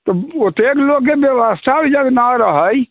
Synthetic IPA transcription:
t̪ɔot̪eklokːebjewəst̪ʰabid͡ʒəɡnaɾəɦəj

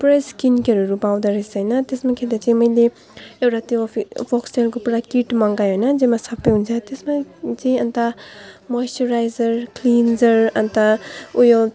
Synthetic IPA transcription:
pɾeskinkeɾuɾubawdɐɾisajnatesmakʰedazemɐjli | ewɾatiɔipʰɔkselɡupɾakitmaŋɡajɔjnɐd͡ʒemasapewnzatesmazeɐntamɔjstuɾajzɐɾklinzɐɾɐntaujɔl

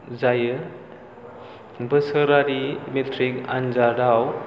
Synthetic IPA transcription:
zajɯ | bəsəɾaɾimetʰɾikand͡ʒadaw

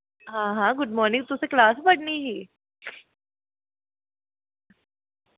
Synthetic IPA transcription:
ɦãːɦãɡʊɖ̚mɔːɾnɪ̃ŋt̪ʊseklaːsbɐɽniɦiː

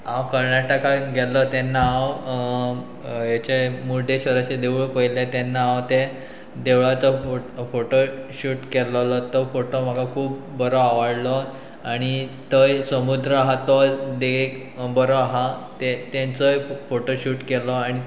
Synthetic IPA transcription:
awkəɾɳjaʈakaɡellɔt̪enːaːaw | jet͡ɕemuɾɖeɕəɾat͡ɕed̪euɭpəjlet̪enːaawt̪e | d̪eʋɭat͡sɔofoʈoɕuːʈkelɔlɔt̪ɔfoʈom̤aɡakʰuːpːəɾoaʋaɽlɔ | aɽ̃it̪əjsəmud̪ɾəɦat̪ɔd̪eek | bəɾɔɦãt̪et̪ẽnt͡səjfoʈoɕuːʈkelɔaɽ̃i

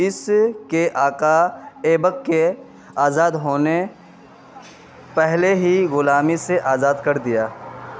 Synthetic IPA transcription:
ɪskeʔaːkaeːbəkːe | aːzaːd̪ɦoːne | pɛɦleɦiɣʊlaːmiseʔaːzaːd̪kɐɾd̪ɪjaː

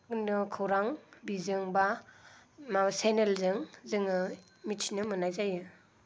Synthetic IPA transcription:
ɯnɯkʰɯwɾaŋbizɯŋba | masenelzɯŋzɯŋɯ | mitʰinɯmɯnajzajɯ

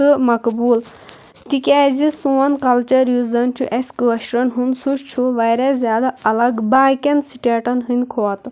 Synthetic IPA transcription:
ɨmɐkbuːl | t̪ikʲaːzisuːɐnkɐlt͡ʃɐɾjuzɐnt͡ʃʰṵʔeskɨʋɐʃɾɐnɦunsuʃt͡ʃʰuʋɐɾezʲjaːd̪aɐlɐɡbaːkʲɐnsiʈeːʈɐnɦɨnʲkʰoːt̪

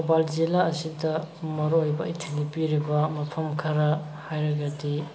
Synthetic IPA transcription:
obald͡ʒilaɐsidɐmɐɾoojbɐitʰilipiɾibɐmɐpʰɐmkʰɐɾɐ | hajɾɐɡɐdi

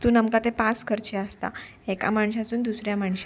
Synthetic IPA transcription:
t̪uːnəmkat̪ẽpãt͡skʰəɾt͡ɕeast̪a̰ | eka̰maɳɕat̪uːnd̪usɾjamaɳɕa

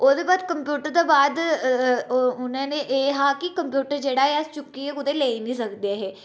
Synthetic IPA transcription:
oːd̪eːbaːd̪kəmpjuːʈəɾt̪oːbaːd̪ | ʊnãːnẽʔeːɦaːkɪkəmpjuːʈəɾd͡ʒeːɽaːeəst͡ʃʊkːiːɛʊd̪eːleːiːnĩːsəkd̪eaːɦɛː

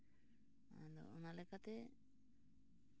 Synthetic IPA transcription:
a̰nd̪ɔ̰ɔnalɛkat̪ɛ

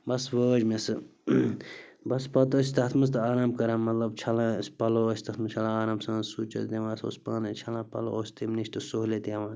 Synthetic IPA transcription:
bɐsʋəːd͡ʒmesɨ | bɐspɐt̪ɐsʲit̪ɐt̪ʰmɐs̬t̪ɨaːɾaːmbkɐɾãːmːɐt̪lɐb̚t͡ʃʰɐlãspɐloːəsʰʲt̪ɐt̪ʰmɨt͡ʃʰɐlãaːɾaːmsɐ̃suːt͡ʃɐ̰t̪d̪ʲẽʋãːso̰ːspaːnɐ̃t͡ʃʰɐlãːpɐ̰lo̰osʲt̪imniʃʲt̪ɨsoɦlet̪jaʋãː

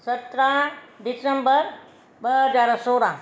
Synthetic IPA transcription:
sɐt̪ɾãɖisembəɾ | bəɦəd͡ʒaːɾasoːɾã

